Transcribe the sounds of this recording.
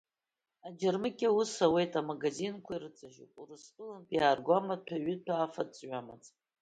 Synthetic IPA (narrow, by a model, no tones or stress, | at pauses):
ad͡ʒarmɨkʲʼawusawe̞jtʼamaɡazinkʷʰairɨt͡sʼaʒupʼurɨspʼɨlanpʰʼjaːrɡʷamatʰaɥɪtʰaːfat͡sʼɥamat͡sʼ